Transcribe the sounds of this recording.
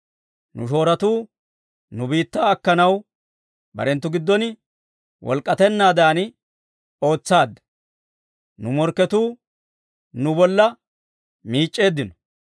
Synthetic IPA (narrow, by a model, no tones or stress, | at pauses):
nʊ̰ʃo̞ːɾɐt̪uː | nʊbiːt̪ːaːɐkːɐnɐw | bɐ̰ɾɛnt̪ːʊɡɪd̪ːɔnɪ | wʔɔ̰lkʼːɐt̪ɛnːaːd̪aːn | o̞ːt͡sːaːd̪ːɐ̥ | nʊmɔɾkːɛt̪uː | nʊbɔlːɐ | miːt͡ʃʼːe̞ːd̪ːɪnɔ̥